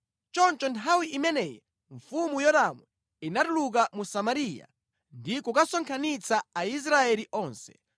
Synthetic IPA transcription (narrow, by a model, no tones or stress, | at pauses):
t͡ʃɔnt͡ʃɔntʰawiʔimɛnɛːjɛ | ɱfumujɔdamwɛ | inatuluk̬amusamaɾija̰ | ndikukasɔŋkʰanit͡saais̬ɾaɛliʔɔːnsɛ̥̰